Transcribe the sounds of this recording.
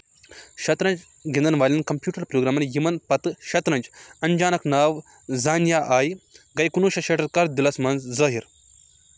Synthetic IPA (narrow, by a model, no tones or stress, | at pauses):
ɕɐt̪ɾɐnt͡ʃ | ɡind̪ɐnʋaːlʲinkɐmpjuːʈɐɾpɾoːɡɾaːmɐnjimɐnpɐt̪ɨɕɐt̪ɾɐnd͡ʒɐɲd͡ʒaːnɐknaːʋ | zaːnjaʔaːjɡɐjkunuɕɐɕeʈɐt̪kaːɾd̪ilɐsmɐnzzɐːɦiɾ